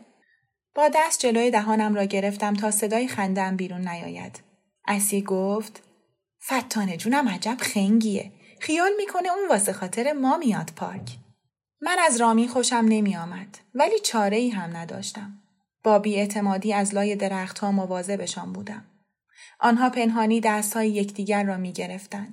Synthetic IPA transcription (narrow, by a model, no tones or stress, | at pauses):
b̥ɒːd̪æst̪̚d͡ʒe̞loːjed̪æɦɒːnæmɾɒːɟe̞ɾe̞ft̪æmt̪ʰɒːse̞d̪ɒːjixænd̪eæmbiːɾunːæjɒ̰ːjæ̰d̪̥ | ʔæsiːɡoft̪ | fæt̪ʰːɒːne̞d͡ʒuːnæmæd͡ʒæb̥xeŋɟiḛ | χijɒːlmiːkʰo̞ne̞uːnvɒːse̞xɒːt̪ʰe̞ɾemɒːmijɒːd̪̥pʰɒ̰ːɾcʰ | mænæzɾɒːmiːnxo̞ʃæmne̞miːjɒːmæd̪̥væliːt͡ʃʰɒːɾe̞iːɦæmnæd̪ɒ̰ːʃt̪æm | b̥ɒːbiːe̞t̪ʰe̞mɒːd̪iːæzlɒːje̞d̪e̞ɾæxt̪hɒːmovɒːze̞be̞ʃɒːnbuːd̪æm | ʔɒːnɦɒːpʰe̞nɦɒːniːd̪æst̪hɒːjejecʰd̪iːɟæɾːɒːmiːɟe̞ɾe̞ft̪ænd̪̥